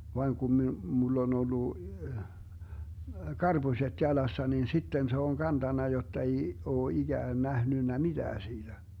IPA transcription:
ʋɑiŋ ɡ̊um mi mulː on olːu kɑrb̥usʲet jɑlɑsːɑ nin sitːen se oŋ kɑntɑnːɑ jotːɑ ei oː iɡ̊æːn næhnynːæ mid̥æː siːd̥æ

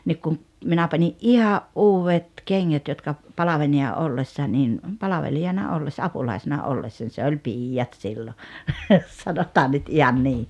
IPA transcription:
niːk kum minæ pɑnʲiʔ ʔihɑʔ ʔuːwʋet keŋːæt jotkɑ pɑlɑʋenijɑ ʔolːesːɑ nin ʔpɑlɑʋelijɑnɑ olːesːɑ ɑpulɑˑisenɑ ʔolːesːɑnʲ se olʲ piːjːɑt silːo sɑnotɑːn nyt ihɑn niː

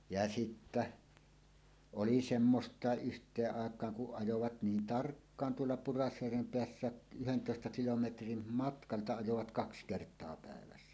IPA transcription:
jɑ sitːæ oli semːostˑɑˑeʔ ʔyhtˑeːʔ ʔɑˑekˑɑːŋ kuʔ ʔɑjoʋɑt niːn tɑrkːɑːn tuolːɑ purɑsjærʋem peæsːæːʔ ʔyhentoˑestɑ kilometrim mɑtkɑltɑ ɑjoʋɑt kɑks kertˑoɑ pæˑeʋæsːæ

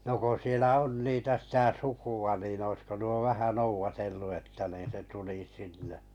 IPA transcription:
no ko sielæ on niːtæ sitæ sukuɑ nin oĭsko nuo ʋæhæ nouʋɑtelːu etːæ niːn se tuli sinːe

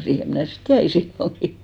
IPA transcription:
siːhe mnæˑ sit jæi silːoŋki

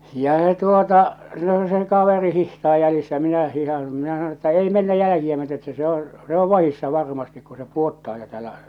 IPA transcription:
jɑ se tuotɑ no se kɑʋeri hihtɑː jælisːæ jɑ minæ hihɑn̞ minæ sɑnon̞ etːæ ei menːæ jælækiæ myøte etːæ se õː se o ʋɑhisːɑ ʋɑrmɑstik ku se puotːɑː jo tæːlːæ

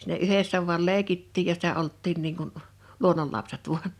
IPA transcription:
si̥ˑnæ yhesːæ ʋu̞ɑl leˑikitːiːj jɑ sitæ oltːiːn niːŋ kun luonˑolːɑpset ʋuɑn

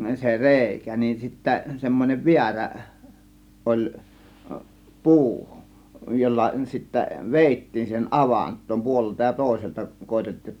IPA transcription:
se reˑikæ nin sitːæ semːonʲeʋ ʋiæræ ʔolʲ puː jolːɑ sitːæ ʋeˑitːiːn siːhen ʔɑʋɑntˑoːm puoleltɑ jɑ toˑe̝seltɑ koetetːiːj

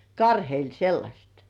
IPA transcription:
kɑrheil selːɑsʲet

